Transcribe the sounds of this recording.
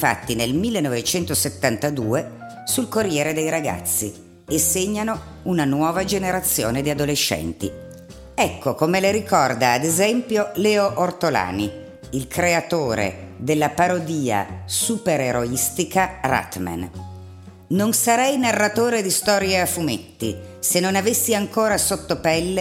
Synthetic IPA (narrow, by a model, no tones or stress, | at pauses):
fa̰t̪ːinelmilːenːɔvet͡ʃɛnt̪oset̪ːant̪ad̪uːe | sulkorːjɛːɾed̪ejɾaɡa̰t̪sːḭ | esːeɲːano | unanwɔːvad͡ʒeneɾat̪sːjoːned̪iad̪oleʃːɛ̰nt̪i | ɛkʰːokomeleɾikɔrd̪aːd̪ezɛmpjolɛːoʔort̪ola̰ːni | ilkɾeat̪oːɾḛd̪elːapaɾod̪iːa̰supeɾeɾoist̪ikara̰t̪ma̰n | nonsaɾɛjnarːat̪oːɾed̪ist̪ɔːɾjeafumḛt̪ːḭsenːonavesːiaŋkoːɾasot̪ːopɛlːe